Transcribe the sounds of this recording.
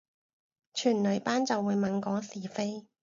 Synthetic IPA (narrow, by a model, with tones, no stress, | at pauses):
t͡ʃʰyː˨˩nlɵ˨˧ɥpaː˥nt͡sɐ˨wːuː˨˧jmɐ˨˧nkɔː˨˥siː˨˩fe˥j